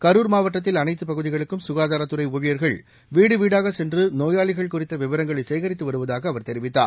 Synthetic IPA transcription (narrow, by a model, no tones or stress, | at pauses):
kɐɾuːɾmaːʋɐʈːɐt̪̬ːɪlɐnɐɪt̪ːɯpɐɣɯðɪɣɐɭɯkːɯmsʊɣaːðaːɾɐt̪ːɯɾɐɪʊːɻɪjɐɾɣɐɭ | ʋiːɽɯʋiːɽaːɣɐsɛndrɯnoːjaːɭɪɣɐɭkʊrɪt̪ːɐʋɪʋɐɾɐŋɡɐɭɐɪsɛjɣɐɾɪt̪ːɯʋɐɾɯʋɐðaːɣɐːʋɐɾt̪ɛɾɪʋɪt̪ːa̰ːɾ